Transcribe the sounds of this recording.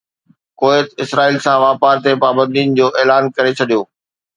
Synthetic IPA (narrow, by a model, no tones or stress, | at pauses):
koːet̪ɪsɾaːiːlsãʋaːpaːɾt̪epaːbə̃nd̪iːnd͡ʑoːʔeːlaːnkɐɾet͡ɕʰɐɗijoː